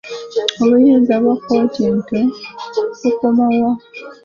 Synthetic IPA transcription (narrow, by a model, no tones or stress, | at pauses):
oβujiːnzaβwakːotinke | ukomawa